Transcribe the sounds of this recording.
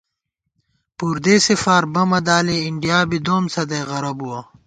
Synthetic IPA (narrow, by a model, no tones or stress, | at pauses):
puːɾd̪eːsifaːɾbɐmɐd̪aːleiɳɖijaːbid̪oːmsɐd̪eɣɐɾɐbuwɐ